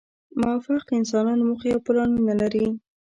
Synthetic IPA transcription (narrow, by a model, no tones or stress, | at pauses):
mʊafaqɪnsɑnɑnomuxajawplɑnnalaɾi